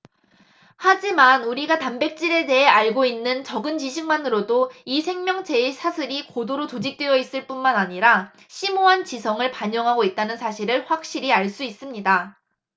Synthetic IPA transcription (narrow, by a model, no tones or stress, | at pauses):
had͡ʑimanuɾiɡatambe̞k̚t͡ɕ͈iɾe̞de̞ɦe̞aɭɡoinːɯnt͡ɕʌɡɯnt͡ɕiɕʰiŋmanɯɾodoisʰe̞ŋmjʌŋt͡ɕʰe̞esʰasʰɯɾikodoɾotod͡ʑik̚t͈we̞jʌis͈ɯɭp͈unmanaɲiɾa | ɕʰimoɦant͡ɕisʰʌŋɯɭpaɲʌŋɦaɡoit̚t͈anɯnsʰaɕʰiɾɯɭɸwak̚ɕ͈iɾiaɭs͈uis͈ɯmɲida